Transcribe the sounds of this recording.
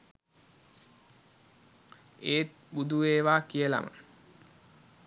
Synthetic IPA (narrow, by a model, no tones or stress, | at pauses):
eːt̪ | bud̪uʋeːʋaːkijəla̰mə̰